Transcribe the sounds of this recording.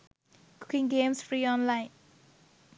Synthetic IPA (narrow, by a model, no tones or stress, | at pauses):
kʰu̥kɪ̃ŋɡẽmsfɹiɔ̃nlaɪ̃n